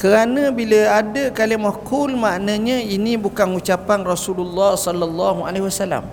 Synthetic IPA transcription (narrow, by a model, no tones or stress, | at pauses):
kəɾanə̃biləadəkaliamɔkulmaʔnə̃ɲə̃inibukanut͡ʃapanrɔsululːɔhsɔlːalːɑɦua̰leɦwasala̰m